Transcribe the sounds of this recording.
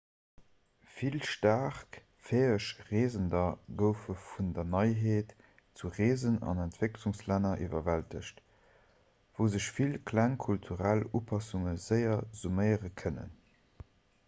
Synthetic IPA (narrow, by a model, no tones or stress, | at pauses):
filʃtaːχk | feːəʃʁeːzəndɐɡəʊfəfundɐnɑɪɦeːt | t͡suʁeːzənɑ̰næntv̥ekluŋslænɐʔivɐvæltʰə̰ɕt | v̥əʊzəɕfilkʰlæŋkʰultʰuʁælupʰɑsuŋəz̥əɪɐz̥umɜɪəʁəkʰənə̰n